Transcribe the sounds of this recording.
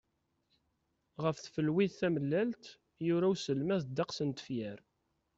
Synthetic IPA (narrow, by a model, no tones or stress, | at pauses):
ʁəfθfəlwiðθæməlːælt̪ | jʊɾæwsəlmæθd̪ːɑqsənt̪ə̥fjæɾ